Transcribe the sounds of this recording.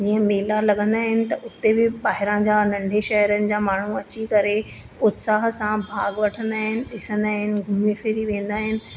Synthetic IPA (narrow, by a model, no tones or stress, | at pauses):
d͡ʑiːə̃meːlalɐɡə̃nd̪aːɦɪnɪ̆t̪ɐʔʊt̪ebɪɓaːɦɪɾãd͡ʑaːnɐ̃ɳɖʱeʃɐɦɾənɪ̆d͡ʑaːmaːɳ̤uɐt͡ɕikɐɾe | ʊt̪saːɦsãbʱaːɡʋɐʈʰə̃nd̪aːɦɪnɪ̆ɗɪsə̃nd̪aːɦɪnɪ̆ɡʱʊmifɪɾiʋẽːn̆d̪aːɦɪnɪ̆